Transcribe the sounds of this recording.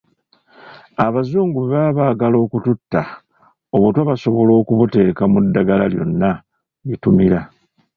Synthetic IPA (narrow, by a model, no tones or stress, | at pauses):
aβazuːŋɡuβeβaβaːɡalo̞ːkututːa | oβutwaβaso̞βo̞lo̞ːkuβute̞ːkamudːaɡalaljo̞̰nːa | βitumiɾa